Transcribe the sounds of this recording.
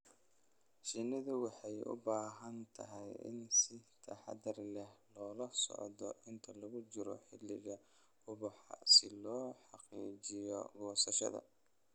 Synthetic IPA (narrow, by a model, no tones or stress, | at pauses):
ʃɪnɪðʊwɑħɑjʊ̰baːɦɐnt̪ʰɐɦɛjɪ̰nsɪt̪ʰɐħɑ̰d̪ɐrlɛhlɔːlɐsɔ̰ʕðɔʔɪnt̪ʰɐlɐɣʊt͡ʃɪɾɔ̰ħɪlɪɣɐ | ʊβɑħɑ̰sɪlɔːħɑqiːt͡ʃɪjɔ̰ɡʊwsɐʃɐ̰ðɐ̰